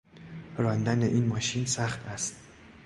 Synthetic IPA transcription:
ɾɒːnd̪æneʔiːnmɒːʃiːnsæχt̪ʰæst̪

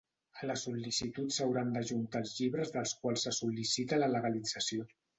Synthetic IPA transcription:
ələsulisit̪ut̪səwɾand̪əʒunt̪aːlˠzʎiβɾəzðəlˠskwalˠsəsulisit̪ələləɣəlid͡zəsio

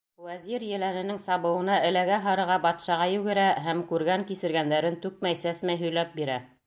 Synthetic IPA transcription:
wæziɾjɘ̆lænɘ̆nɘŋsɑβɤ̆wɤ̆nɑɘ̆læɡæɦɑ̆ɾɤ̆ʁɑbɑt̪ʃɑʁɑjʉɡɘ̆ɾæɦæmkʉɾɡæŋkisɘ̆ɾɡænd̪æɾɘnt̪ʉk̚mæjsæsmæjɦɵ̆jlæp̚biɾæ

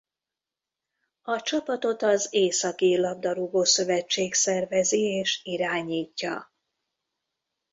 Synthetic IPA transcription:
ɒt͡ʃɒpɒt̪o̞t̪ɒzeːsɒkilɒb̚d̪ɒɾuɡoːsø̞vɛt͡ʃːeːksɛrvɛzieːʃiɾaːɲiːcːɒ̰

